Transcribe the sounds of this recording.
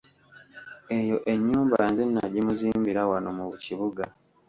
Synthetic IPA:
e̞jo̞ʔe̞ɲːuːmbaanzenːaɟimuziːmbiɾawanomuβuciβuɡa

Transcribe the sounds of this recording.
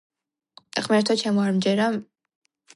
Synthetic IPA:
χmɛɾt̪ʰɔt͡ʃʰɛmɔaɾmd͡ʒɛɾa

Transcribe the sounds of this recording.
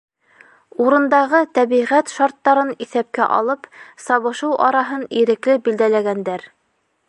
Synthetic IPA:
uɾɤ̆nd̪ɑʁɤt̪æβiʁæt̪ʃɑɾt̪ːɑɾɤniθæp̚kæ̰ʔɑ̰lˠɤpsɑβɤ̆ʃɤwʔɑɾɑɦɤniɾɘ̆klɘbild̪ælæɡænd̪æɾ

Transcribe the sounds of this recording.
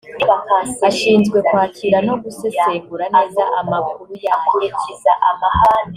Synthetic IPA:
akaaʃiːnzɡwe̞kwaːcʰiɾano̞ɡuseseɡuɾane̞ːzaʔamakuɾujaiaamaa

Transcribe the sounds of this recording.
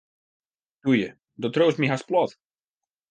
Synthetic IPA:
d̥ujə | dɔtroːstmiɦasplɔt

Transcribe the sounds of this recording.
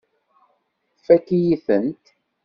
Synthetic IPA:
fækijiθənt̪

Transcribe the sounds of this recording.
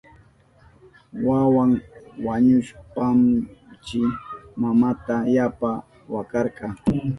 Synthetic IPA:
wawaŋwaɲʊʃpamt͡ʃɪmamat̪ajapa | wakɑɾqɑ

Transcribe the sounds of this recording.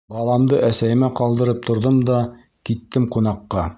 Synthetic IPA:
bɑlˠɑmd̪ɤʔæsæjɘ̆mæqɑlˠd̪ɤ̆ɾɤp̚t̪ʰŏɾðɤmd̪ɑ | kit̪ːɘmqunɑqːɑ

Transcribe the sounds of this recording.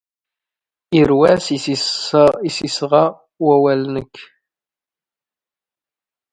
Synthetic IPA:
iɾwæsi | isisʁɑ | wæwælnəkː

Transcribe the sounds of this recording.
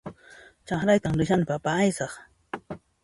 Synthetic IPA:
t͡ʃaχɾajt̪aŋɾɪʃanpapaːjsɑχ

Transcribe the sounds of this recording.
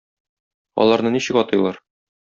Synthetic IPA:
ɒ̰lˠɑɾnɤniɕɘkɒt̪ɤ̆jlˠɑɾ

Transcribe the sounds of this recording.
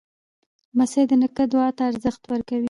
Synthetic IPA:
mased̪ənəkəd̪ʊɑt̪aːɾzəxt̪wəɾkawi

